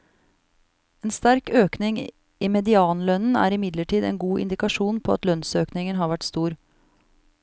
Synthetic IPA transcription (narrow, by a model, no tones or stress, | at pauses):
eːnst̪æɾkøːknɪŋ | iːmɛd̪ɪɑːnlœnn̩æ̰ːɾɪmɪd̪ləʈʰiːd̪ɛ̰ːnɡuːʔɪ̰nd̪ɪkɑʂuːnpʰoːɑ̰t̪lœnsøːknɪŋənɦɑːɾʋæʈst̪uːɾ